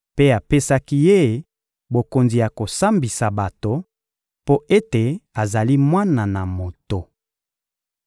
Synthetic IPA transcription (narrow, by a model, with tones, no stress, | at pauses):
pe˦a˨pe˦sa˦ki˦je˦˨ | bo˨ko˨nzi˨ja˨ko˨sa˦mbi˨sa˨ba˨to˨ | po˦e˦te˨a˨za˨li˦mwa˦na˨na˨mo˨to˨